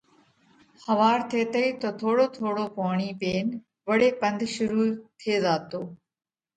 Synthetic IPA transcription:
hɐʋaːɾt̪ʰeːt̪əiːt̪oːt̪ʰoːɽoːt̪ʰoːɽoːpaːɳ̃iːpeːn | ʋɐɽeːpə̃nd̪ʱʃʊɾuːt̪ʰeːzaːt̪oː

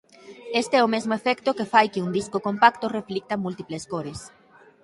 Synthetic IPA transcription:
est̪eɛomezmoefɛkt̪okefajkeund̪iskokompakt̪oreflik̚t̪amult̪ipleskoɾes

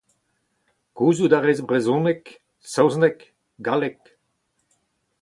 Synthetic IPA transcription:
kuːzud̪aʁɛjzbʁɛzõːnɛk | sɔwznɛk | ɡalek

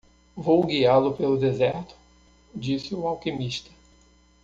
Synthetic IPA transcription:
vowɡialʊpelʊd̪ezɛɾt̪ʊ̥ | d͡ʒisɪʊawkimiʃt̪ɐ̥

